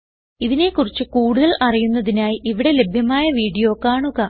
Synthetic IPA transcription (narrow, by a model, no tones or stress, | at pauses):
iðine̞ːkːurit͡ɕːɨkuːɽuðɐɭɐrijunːɐðinaːjiʔiʋiɽe̞le̞bʱjɐmaːjɐʋiːɽijo̞ːkːaːɳuɣɐ